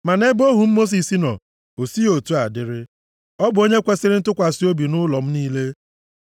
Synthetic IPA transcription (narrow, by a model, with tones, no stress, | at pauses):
ma˨ne˦bo˦ɦu˨m̩˦mo˦s̬i˨si˦nɔ̰˨ | o˨si˦o˨tu˦a˨dɪ˦ɾɪ˦ | ɔ˦bʊ˨o˦ɲe˦kʷe˦sɪ˦ɾɪ˦n̩˦tʊ˦kʷa˨si˦o˦bi˨nʊ˦lɔ˨m̩˦niː˦le˦